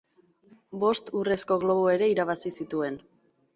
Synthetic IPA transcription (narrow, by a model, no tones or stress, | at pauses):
bo̞st̪ure̞sko̞ɣlo̞β̞oe̞ɾe̞iɾaβ̞asisit̪ue̞n